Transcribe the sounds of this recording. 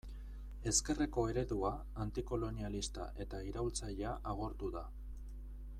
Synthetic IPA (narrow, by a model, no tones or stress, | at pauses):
e̞ske̞re̞ko̞e̞ɾe̞ðuaː | nt̪iko̞lo̞nialist̪a̰ʔe̞t̪aiɾawlt͡saʎeaʔaɣ̞o̞ɾt̪uða